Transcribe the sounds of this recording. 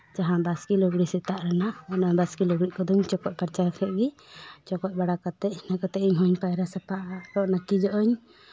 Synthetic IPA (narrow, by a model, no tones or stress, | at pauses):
d͡ʒaɦãbaskilɔɡɽisɛt̪aʔɾanaʔɔnabaskilɔɡɽiʔ̚kɔd̪uɲt͡ʃɔkɔc̚paɾt͡ʃaɾkʰɛʔɡi | t͡ʃɔkɔc̚baɽakat̪ɛʔ̚nakat̪ɛiɲɦɔɲpajɾasapaʔaɾɔʔnakid͡ʒɔʔɔɲ